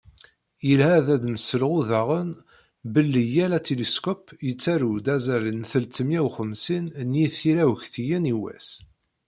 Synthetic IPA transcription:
jəlhæðæd̪nəsəlʁuðaʁən | bəlːijælæt̪iliskɔpjət͡sːæɾud̪æzælənθəlt̪əmjæwχəmsinnjiθiɾæwəçθijəniwæ̰s

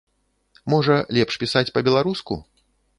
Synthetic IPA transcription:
mɔʐɐlʲɛpʂpʲisat͡sʲpɐbʲɛlˠaɾuskṵ

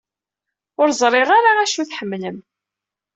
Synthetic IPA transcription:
ʊɾzˤɾˤɪʁaɾaæʃuθħəmːləm

